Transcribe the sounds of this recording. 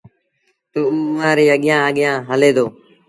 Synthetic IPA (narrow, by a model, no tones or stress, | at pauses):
t̪uːuːʊʋãːɾeːəɠɪjãːəɠɪjãːɦəleːd̪oː